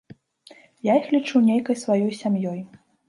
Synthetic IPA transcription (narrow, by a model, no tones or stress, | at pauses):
jaixlʲit͡ʂuwnʲejkɐjsvajɔjsʲamjɔj